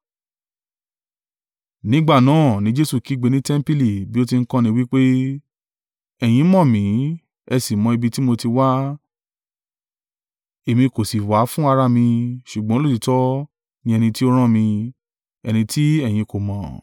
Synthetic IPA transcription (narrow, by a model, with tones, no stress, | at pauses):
nĩ˦ɡ͡ba˦˨nãː˨˦˨nĩ˦d͡ʒe˦su˦˨ki˨˦ɡ͡be˨˧nĩ˦tɛ˦m̩˦pi˦li˨bi˦o˦t̬i˧ŋ̩˦kɔ̃˦nĩ˧˦wi˦k͡pe˦ | ɛ˨j̃ĩ˨˦mɔ̃˦˨mĩ˨˦ | ɛ˧si˨mɔ̃˧i˧bi˧ti˦mo˧ti˧wa˦ | e˨mĩ˧ko˨si˨wa˨˦fũ˦a˧ɾa˦mĩ˧ʃu˨ɡ͡bɔ̃˦lo˦˨ti˨˧tɔ˦ | nĩ˦ɛ˧nĩ˧ti˦o˦ɾ̃ã˦˨mĩ˧ | ɛ˧nĩ˧tʰi˦ɛ˦˨j̃ĩ˧ko˨mã˨